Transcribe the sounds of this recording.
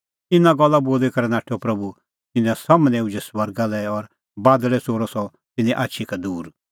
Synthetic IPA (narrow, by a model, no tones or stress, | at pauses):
ɪnãɡɔlːaboːlɛkɐɾɛnaːʈʰːopɾɐbu | t̪ɪnãsɐmnɛ̃ud͡ʒɛswɐɾɡalɛɔɾ | baːd̪ɭɛsoːɾɔsɔ | t̪ɪnɛ̃ʔaːtːʃʰikad̪uːɾ